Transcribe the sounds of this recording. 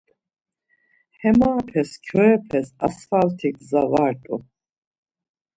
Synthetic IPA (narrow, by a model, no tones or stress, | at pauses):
hɛmaːpʰɛskʰɔɛpʰɛsa̰sfalt̪ʰikʰzavaɾt̪ʼṵ